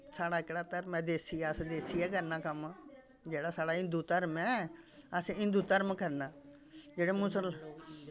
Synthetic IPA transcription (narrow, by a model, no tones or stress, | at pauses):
saːɽaːɪkɽaːt̪əɾmɛ̃ːd̪eːsiɛːəsd̪eːsiɛːkəɾnaːkəm | d͡ʒeːɽaːsaːɽaːɪ̃nd̪uːt̪əɾmɛ̃ːəsɪ̃nd̪uːt̪əɾmkəɾnaː | d͡ʒeːɽeːmʊsəl